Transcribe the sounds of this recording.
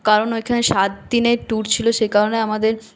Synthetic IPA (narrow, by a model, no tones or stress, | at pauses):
kaɾonojkʰaneʃat̪̚d̪ineʈuɾt͡ɕʰiloʃejkaɾoneamad̪eɾ